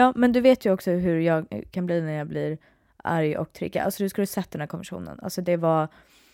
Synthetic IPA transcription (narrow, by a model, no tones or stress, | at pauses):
jɑːmɛnd̪ɵveːt̪jɵɔksɔɦɵɾjɑːɡkʰanbliːnæɾjɑːbliːɾ | ʔæ̰ɾjɔ̰k̚t̪ʰɾɪ̰ɡːa̰ʔa̰lsɔd̪ɵskald̪sɛt̪ːd̪ɛnhæːɾkʰɔnmvɛʂṵːnə̰na̰lsɔd̪ɛva